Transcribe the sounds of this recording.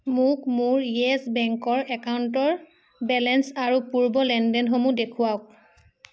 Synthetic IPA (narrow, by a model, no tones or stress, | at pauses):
mʊkmʊɹjɛsbɛŋkɔɹɛkauntɔɹ | bɛlɛnsaɹupuɹbɔlɛndɛnxomudekʰuaʊk̚